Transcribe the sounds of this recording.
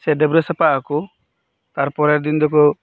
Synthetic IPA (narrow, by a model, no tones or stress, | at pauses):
sɛɖɛbɾɛsapaku | t̪aɾpɔɾɛɾd̪ind̪ɔkɔ